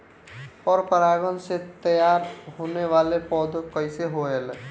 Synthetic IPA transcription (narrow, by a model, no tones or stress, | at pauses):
ɔːɾpəɾaːɡənset̪əjaːɾɦoːneʋaːlepɔːd̪okəɪseɦoeːl